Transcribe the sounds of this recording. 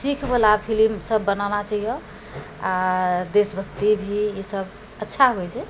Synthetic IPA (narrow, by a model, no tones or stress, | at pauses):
sikʰbəlapʰilimsəbːənanat͡ʃəɦijɔ̃ | ad̪esbʱəkt̪ibʱiisəb | ətːʃʰaɦojt͡ʃʰɛ